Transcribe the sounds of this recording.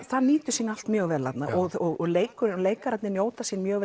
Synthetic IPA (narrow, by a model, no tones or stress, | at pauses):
θaðniːt̪ʏsinːal̥t̪mjœːɣvɛːlat̪na̰ʔɔɣɔɣɔleːjkʏɾɪnɔleːjkaɾat̪nɪnjoːwt̪asinmjœːɣvɛ